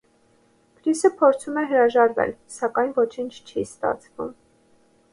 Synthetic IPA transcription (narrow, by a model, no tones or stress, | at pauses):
pʰɾisəpʰɔɾt͡sʰumɛɦəɾɑʒɑɾvɛ̰lsɑkɑjnvɔt͡ʃʰint͡ʃʰt͡ʃʰist̪ɑ̰t͡sʰvṵm